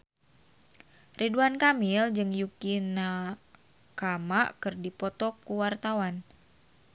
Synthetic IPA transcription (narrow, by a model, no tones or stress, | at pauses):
rʔiduankamild͡ʒɨŋjukina | kamaʔkɨrdipɔt̪ɔkːuwart̪awan